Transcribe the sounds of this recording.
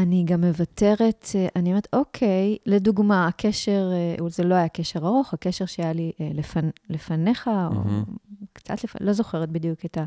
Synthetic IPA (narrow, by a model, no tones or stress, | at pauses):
aniɡamːe̞vate̞ʁe̞tʔaniome̞et̪o̞kʰe̞jleduɡmaakʰeʃe̞ʁuzelo̞ajake̞ʃe̞ʁaʁo̞χhake̞ʃe̞ʁʃeajaliʔlefanle̞fane̞χao̰kt͡sa̰tlefalo̞zo̞χe̞ʁet̚bidjuketa